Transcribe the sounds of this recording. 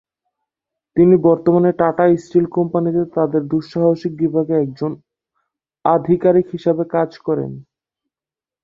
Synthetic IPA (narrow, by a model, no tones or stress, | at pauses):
t̪inibɔɾt̪omaneʈaʈaisʈilkɔmpanit̪et̪ad̪eɾd̪uʃaɦoʃik̚bibʱaɡeɛk̚d͡ʑon | ad̪ʱikaɾikɦiʃabekad͡ʑkɔɾḛn